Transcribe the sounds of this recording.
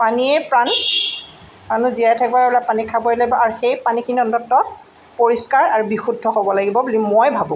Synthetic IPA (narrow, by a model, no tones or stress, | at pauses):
paniɛpɹan | manuzijajtʰɛkbaɹɛbɛlapanikʰabɔɹilaɡibɔʔaɹuxejpanikʰiniɔntɔtːɔ | poɹiskaɹaɹubixudʱːɔxobɔlaɡibɔbulimojbʱabũ